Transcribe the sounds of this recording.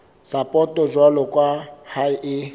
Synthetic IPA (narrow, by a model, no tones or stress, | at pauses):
sapʼɔtʼɔd͡ʒwalɔkʼwahaʔi